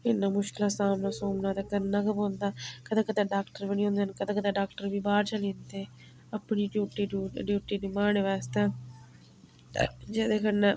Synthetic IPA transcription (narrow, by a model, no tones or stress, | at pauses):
inːɐmuʃkilɐsaːmnɐsoːmnad̪ɐkɐnnɐɡɐbond̪ɐkɐt̪ʰɐkɐt̪ʰɐɖaːkʈɐɾʋenijund̪ɐnkɐt̪ʰɐkɐt̪ʰɐɖaːk̚ʈɐɾʋibaːt͡ʃɐlint̪e | ɐpːɐniɖjuːʈːiɖuɖjuːʈːiɖimaːɳeʋɛːst̪ɐ | d͡ʒed̪ekɐnːɐ